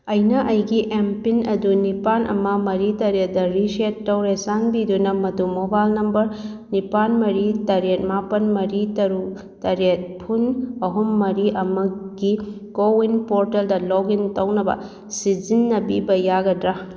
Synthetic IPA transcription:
ɐjnɐʔɐjɡiʔempinɐdunipanʔɐ̰mɐmɐɾitɐɾet̚dɐɾisetːɐwɾesaŋbidunɐmɐdumobajlnɐmbɐɾ | nipanmɐɾitɐɾet̚mapɐnmɐɾitɐɾu | tɐɾet̚pʰunɐɦumːɐɾiʔɐmɐɡi | kowinpoɾteldɐlɔɡintɐwnɐbɐ̰ | sizinːɐbibɐjaɡɐdɾa

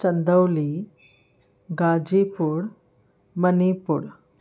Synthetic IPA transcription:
t͡ʃɐnd̪əwli | ɡad͡ʒipuɽ | mɐnipuɽ

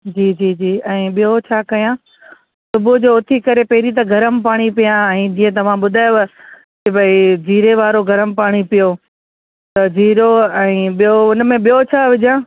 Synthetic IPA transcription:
d͡ʑiːd͡ʑiːd͡ʑiːɛ̃ːɓijot͡ɕʰaːkɐjã | sʊbʊd͡ʑoːʊt̪ʰikɐɾepɛɦɪɾit̪̬ɐɡʱɐɾəmɪ̆paːɽ̃ipijãɛ̃ːd͡ʑĩːẽt̪ɐʋ̤ãɓʊd̪ʱaːjo | kɪbɐid͡ʑiːɾeʋaːɾoɡʱɐɾəmɪ̆paːɽ̃ipijo | t̪ɐd͡ʑʱiːɾoɛ̃ːɓijoʊnə̆mẽɓijot͡ɕʰaːʋɪd͡ʑãː

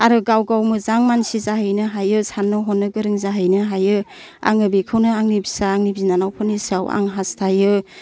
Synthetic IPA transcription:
aɾɯɡawɡawmɯzaŋmansizaɦɯjnɯɦajɯsanːɯɦɔnːɯɡɯɾɯŋzaɦɯjnɯɦajɯ | a̰ŋɯbikʰɯwnɯaŋnibisaːŋnibinanawpʰɯnisawa̰ŋɦastʰajɯ

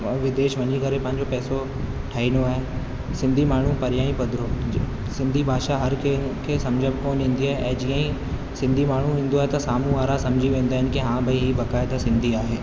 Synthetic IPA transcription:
ʋɪd̪eːʃʋɐɲikɐɾepɐ̃ɦɪ̃ɲd͡ʑopɛːso | ʈʰaːinoaːɦe | sɪ̃nd̪ʱimaːɳ̤ũpɐɾjaːĩpɐd̪ʱɾo | sɪ̃nd̪ʱibʱaːʃaɦɐɾkekʰeːsɐmd͡ʑʱəbɪkoːnɦĩːn̆d̪iaːɦeʔɛ̃ːd͡ʑiːə̃ĩ | sɪ̃nd̪ʱimaːɳ̤uĩːn̆d̪oaːɦet̪ɐsaːmuaːɾasɐ̃md͡ʑʱiʋẽːn̆d̪aːɦɪnɪ̆kiɦãːbɪɦibɐkaːɪt̪asɪ̃nd̪ʱiaːɦeː

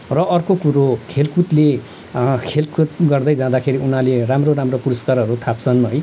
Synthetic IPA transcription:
rʌʔʌrkokuɾokʰelkut̪le | kʰelkut̪ɡʌrd̪ʌjd͡zãd̪akʰeɾiun̤aleramroɾamropuɾʌskarʌɾut̪ʰap̚t͡sʰʌnɦʌj

